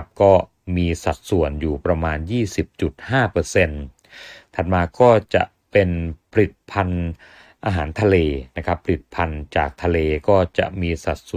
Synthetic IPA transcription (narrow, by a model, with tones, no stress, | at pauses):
p̚kɔː˥˩ | miː˧sa˨˩t̪̚su˨˩ənjuː˨˩pɾa˧maː˧njiː˥˩si˨˩p̚t͡ɕu˨˩t̪̚haː˥˩pɤː˧se˧n | t̪ʰa˨˩t̪̚maː˧kɔː˥˩t͡ɕa̰˨˩ʔ | pe˧npʰa˧li˨˩t̪̚pʰa˧n | ʔaː˧ɦaː˩˦nt̪ʰa˧leː˧na˦˥kʰa˦˥pʰːa˧li˨˩t̪̚pʰa˧nt͡ɕaː˨˩k̚t̪ʰa˧leː˧kɔː˥˩t͡ɕa̰˨˩ʔmiː˧sa˨˩t̪̚s